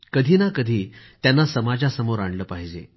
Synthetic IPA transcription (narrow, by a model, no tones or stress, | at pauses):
kəd̪ʱiːnakəd̪ʱiːt̪janːasəmad͡zasəmoɾaɳləːpaɦid͡ʑe